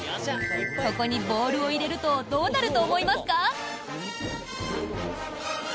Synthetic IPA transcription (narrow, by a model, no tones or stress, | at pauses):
ko̞ko̞ɲ̟ibo̞ːɾɯ̟o̞iɾe̞ɾɯ̟t̪o̞d̪o̞ːnaɾɯ̟t̪o̞ːmo̞imasɨ̥ka